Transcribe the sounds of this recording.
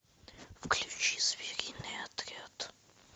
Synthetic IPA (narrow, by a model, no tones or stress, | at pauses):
fklʲʉt͡ɕizvʲiɾʲinɨjat̪ɾʲat̪